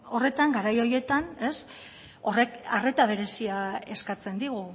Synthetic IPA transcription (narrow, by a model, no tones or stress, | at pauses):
o̞re̞t̪aŋɡaɾajo̞je̞t̪ane̞s | o̞re̞kare̞t̪aβ̞e̞ɾe̞siae̞skat͡se̞nd̪iɣu